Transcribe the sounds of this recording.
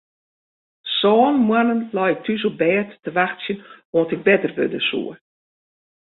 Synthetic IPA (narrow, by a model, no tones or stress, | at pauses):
sɔːnmwanənlɔjɪk̚tʰysobɛːtːəʋaxsjənoəntɪk̚bɛtərʋø̰dəsṵə